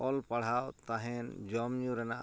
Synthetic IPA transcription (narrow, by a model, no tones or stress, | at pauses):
ɔlpaɽ̤awt̪aɦɛnd͡ʒɔmjũɾɛna